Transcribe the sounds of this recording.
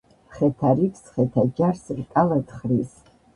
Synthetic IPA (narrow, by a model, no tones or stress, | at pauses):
χɛtʰaɾikʰʼsχɛtʰad͡ʒarsrkʼalatχris